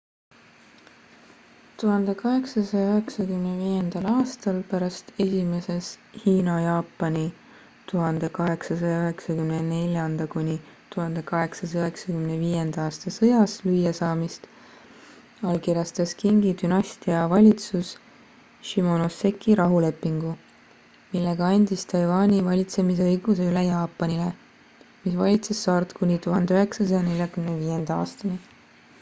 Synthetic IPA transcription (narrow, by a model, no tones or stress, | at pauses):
t̪uɦɑnd̪̥e̞kɑɦe̞ksɑsɑjɑøɦeksɑkymneviːje̞nd̪̥ɑlɑːst̪ɑlpæɾɑst̪e̞sʲime̞seshiːnɑjɑːpːˑɑnʲi | t̪uɦɑnd̪̥e̞kɑɦe̞ksɑsɑjɑøɦe̞ksɑkymnene̞lʲjɑnd̪̥ɑkunʲi | t̪uɦɑnd̪e̞kɑɦe̞ksɑs̬ɑøɦe̞ksɑkymneviːje̞nd̪̥ɑɑːst̪ɑsɤjɑslyjːesɑːmist̪ | ɑlkiɾjɑst̪ɑskiŋɡit̪ynɑsʲt̪iɑvɑlʲit̪sus | ʃimo̞nose̞kʰːˑiɾɑɦule̞pːˑiŋɡ̥u | milːe̞ɡ̥ɑɑnʲd̪ist̪ʰɑjvɑːnʲivɑlʲit̪se̞mis̬eɤjɡ̥use̞ylejɑːpːˑɑnʲile | misvɑlʲit̪se̞sːɑrt̪kunʲit̪uɦɑnd̪eyɦe̞ksɑsɑjɑne̞lʲjɑkymneviːje̞nd̪̥ɑɑ̰ːst̪ɑni